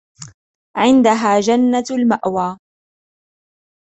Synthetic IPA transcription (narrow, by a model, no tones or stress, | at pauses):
ʕɪnd̪aɦaːd͡ʒanːalmaʔwaː